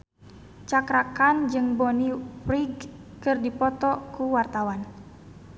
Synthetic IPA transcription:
t͡ʃakɾakand͡ʒɨŋbɔnipɾiɡkɨrdipɔt̪ɔkuwart̪awan

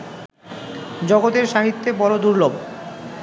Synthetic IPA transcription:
d͡ʑɔɡot̪eɾʃaɦit̪ːebɔɾod̪uɾlob

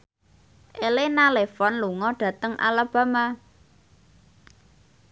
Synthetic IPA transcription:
ʔelenalefɔnluŋɔɖ̥ä̤t̪əŋʔa̰lab̥a̤ma

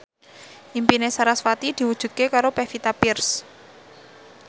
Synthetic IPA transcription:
ʔimpinesaɾaswat̪id̪̥i̤wud̥ʒ̥ṳt̪̚kekaɾopɛfit̪apirs

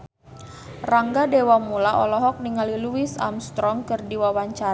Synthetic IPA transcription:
raŋɡadewamulaɔ̰lɔɦɔk̚niŋaliluisa̰mst̪ɾɔŋkɨrdiwawaɲt͡ʃaɾ

